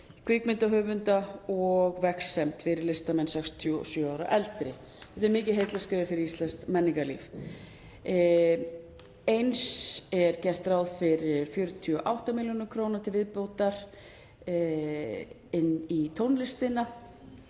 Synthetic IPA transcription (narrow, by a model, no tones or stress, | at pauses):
kʰvɪkmɪnt̪aɦʏːvʏnt̪aɔɣvɛksɛmt̪fɪɾɪɾlɪst̪amɛnsɛkst̪ʰjsjœaːwɾa̰ʔɛlt̪ɾɪ | θɛ̥t̪ɛɾmɪːcɪðɦejt̪laskʏðafɪɾɪɾist̪lɛnst̪mɛnːiŋkalḭːf | ejnsɛɾ̥cɛr̥t̪ɾaːwðfɪɾɪɾ̥fjœɾʏt̪ʰyɔʔawht̪amɪljonʏkʰɾoːwnaɾt̪ʰɪlvɪðpoːwt̪aɾ̥ | ɪnːit̪ʰownlɪst̪ɪna